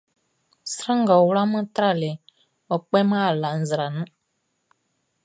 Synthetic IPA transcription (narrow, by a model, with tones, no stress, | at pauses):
sɾa˦ŋɡa˨wla˦mə̃˦t̪ɾa˦˨le˨ | ɔ˨k͡pɛ˦ma˦˨la˨n̩˨zɾa˨nə̃˦